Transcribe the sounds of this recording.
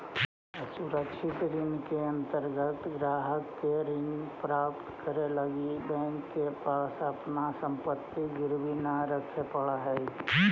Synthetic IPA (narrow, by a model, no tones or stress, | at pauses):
suɾəkʃʰɪt̪ɾɪnkeənt̪əɾɡət̪ɡɾaːɦəkːeɾɪnpɾaːpt̪kəɾeləɡibɛ̃ŋkːepaːsəpnasə̃mpət̪ːiɡɪɾbinaɾəkʰepəɭaɦɛ